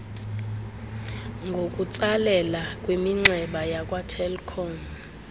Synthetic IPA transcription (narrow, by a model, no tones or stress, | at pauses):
ŋɡʱokʼut͡sʼalɛlakʼwemiŋ͡ǀɛɓajakʼwatʰɛlkʰɔn